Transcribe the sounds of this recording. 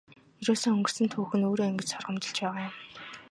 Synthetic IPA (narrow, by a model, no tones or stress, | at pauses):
iɾoːsoːɵŋɡɵ̆r̥sɘ̆nt̪ʰuːxɘ̆noːɾoːeŋɡɘ̆t͡ɕsɔrʁə̆mt͡ɕɪ̆ɬt͡ɕpæːʁaːjʊm